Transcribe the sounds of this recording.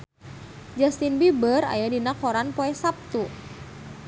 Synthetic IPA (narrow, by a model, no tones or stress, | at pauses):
d͡ʒast̪inbibəra̰jadinakɔɾanpɔɛsap̚t̪u